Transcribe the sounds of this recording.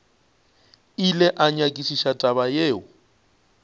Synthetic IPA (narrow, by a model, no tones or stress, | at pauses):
ilɛʔaɲakʼisiʃatʼaβajeːʊ